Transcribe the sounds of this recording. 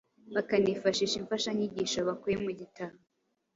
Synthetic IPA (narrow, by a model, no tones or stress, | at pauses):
βakanifaʃiʃiɱfaʃaɲiɟiʃaβakujemuɟitaβo